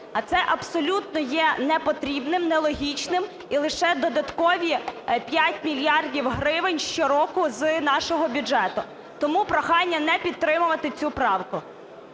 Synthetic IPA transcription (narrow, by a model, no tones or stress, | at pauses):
ɐt̪sɛʔɐbsɔlʲut̪nɔjɛnɛpɔt̪ɾʲibnɪmnɛlˠɔɦʲit͡ʃnɪm | ilˠɪʃɛd̪ɔd̪ɐt̪kɔʋʲipʲjatʲmʲilʲjɑrdʲiwɦɾɪʋɪnʲʃt͡ʃɔɾɔkʊznɑʃɔɦɔbʲʊd͡ʒɛt̪ʊ | t̪ɔmupɾɔxɑnʲːɐnɛpʲidt̪̚t̪ːɾɪmʊʋɐt̪ɪt͡sʲupɾɑwkʊ